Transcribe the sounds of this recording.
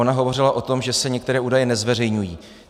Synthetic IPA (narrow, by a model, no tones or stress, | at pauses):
onaɦovo̞rɪlaʔo̞t̪o̞mʒɛsɛɲɛk̚t̪ɛɾɛːuːdajɛnɛzvɛr̝ɛjɲujiː